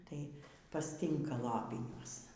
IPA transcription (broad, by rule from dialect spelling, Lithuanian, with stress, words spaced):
tɐɪ pɐsʲˈtʲiːŋkɐ ˈlˠɑːpʲɪnʲuɔs